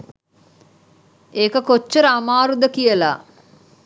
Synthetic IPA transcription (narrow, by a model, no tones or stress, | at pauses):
eːkəkot͡ʃːəɾəamaːɾud̪əkijəla